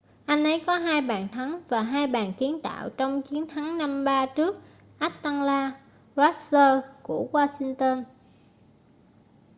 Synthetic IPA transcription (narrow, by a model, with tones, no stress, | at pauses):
ʔa˧jn̟ʔə˨˦jkɔ˨˦ɦaː˧jɓaː˨˩nt̪ʰa˨˦ŋvaː˨˩ɦaː˧jɓaː˨˩nki˨˦ənt̪a̰ː˧˨wt͡ɕɔ˧wŋ͡mt͡ɕi˨˦ənt̪ʰa˨˦ŋna˧mɓaː˧t͡ɕɨ˦˥ək̚ | ʔa˦˥t̚t̪a˧ŋlaː˧ | za˦˥t̚səː˧ku˧˩əɣwaː˧si˧ŋt̪ə˧n